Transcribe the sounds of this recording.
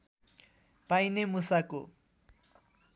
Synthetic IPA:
pajnemusako

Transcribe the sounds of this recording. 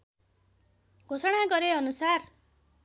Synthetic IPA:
ɡʱosʌɽ̃aɡʌɾeʌnusar

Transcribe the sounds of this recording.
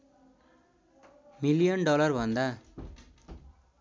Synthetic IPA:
milijʌnɖʌlʌrbʱʌnd̪a

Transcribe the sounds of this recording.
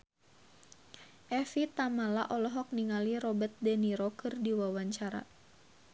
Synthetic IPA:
ʔɛfit̪amala̰ʔɔlɔɦɔk̚niŋaliɾɔbət̪̚dɛniɾɔkɨrdiwawaɲt͡ʃaɾa̰

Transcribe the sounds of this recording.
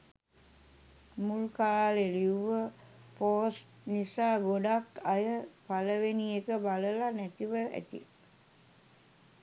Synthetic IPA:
mulkaːleliuʋəpoːsʈ | nisaːɡoɖakajəpaləʋenijekəbaləlanæt̪iʋəæ̰t̪ḭ

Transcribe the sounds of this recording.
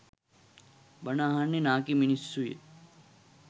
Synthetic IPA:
bɐnaɦanːenãːkiminissujḛ

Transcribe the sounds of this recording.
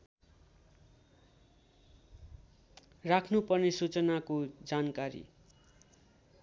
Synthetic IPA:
rakʰnupʌrnesut͡sʌnakod͡zankaɾḭ

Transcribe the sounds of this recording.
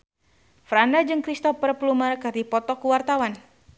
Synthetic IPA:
fɾandad͡ʒɨŋkɾist̪ɔfərplumərkɨrdipɔt̪ɔkuwart̪awan

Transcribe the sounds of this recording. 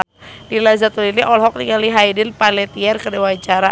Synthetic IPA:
dilazat̪uliliʔɔlɦɔk̚niŋaliɦajdɪnpalɛt̪iɛrkədɛwat͡ʃaɾa

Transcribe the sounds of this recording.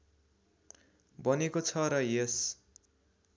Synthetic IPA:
bʌnekot͡sʰʌɾʌjes

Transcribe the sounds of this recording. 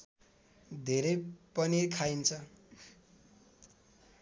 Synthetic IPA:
d̪ʱeɾʌjpʌnikʰaint͡sʰʌ

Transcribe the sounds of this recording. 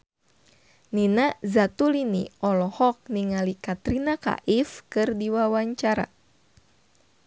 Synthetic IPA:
ninazat̪uliniɔlɔhɔk̚niŋalikat̪ɾinaka̰ʔifkɨrdiwawaɲt͡ʃaɾa̰

